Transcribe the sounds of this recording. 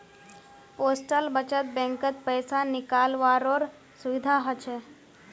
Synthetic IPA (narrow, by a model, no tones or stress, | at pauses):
poːsʈəlbət͡ʃət̪̚bɛ̃ːŋkət̪̚pəːsanɪkaːlʋaːɾoːɾ | sʊʋɪd̪ʱaɦət͡ʃʰe